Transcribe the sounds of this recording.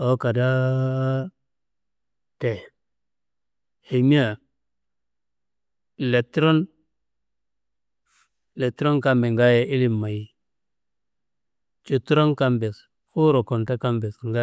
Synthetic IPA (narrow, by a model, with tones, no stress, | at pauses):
o˦ka˨da˦ | te˨ | he˨mi˦a˨ | le˨tɾo˦n | le˨tɾo˦nka˦mbe˨ŋɡa˦je˨ʔi˦li˨mːa˨ji˨ | t͡ʃu˨tu˦ɾo˦nka˦mbe˨s | fu˦ɾo˨ko˨nta˦ka˦mbe˨sŋɡa˦